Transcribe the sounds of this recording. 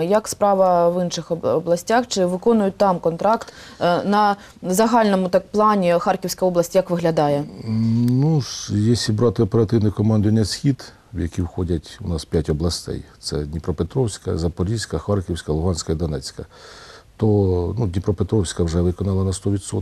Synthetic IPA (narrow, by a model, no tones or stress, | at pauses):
jɐkspɾɑʋɐʋɪnʃɪxɔblˠɐsʲtʲaxt͡ʃɪʋɪkɔnʊjʊt̚ʲt̪ɑmkɔnt̪ɾɑkt̪ | nɐ | zɐɦɑlʲnɔmʊt̪ɑkplˠɑnʲixɑrkʲiwsʲkɐɔblˠɐsʲtʲjɐkʋɪɦlʲɐd̪ɑjɛ | nuʂjɛsʲibɾɑt̪ɪɔpeɾɐt̪ɪwnɪjkɔmɑnd̪ʊʋɐnʲːɐsʲxʲid̪ | wjɐkʲiwxɔdʲɐtʲʊnɑspʲjatʲɔblˠɐsʲt̪ɛ̰jt̪sɛ̰dʲnʲipɾɔpet̪ɾɔwsʲkɐzɐpɔlʲisʲkɐxɑrkʲiwsʲkɐlˠʊɦɑnʲsʲkɐid̪ɔnɛt͡sʲkɐt̪ɔnudʲnʲipɾɔpet̪ɾɔwsʲkɐwʒɛʋɪkɔnɑlˠɐnɐst̪ɔʋʲid̪sɔ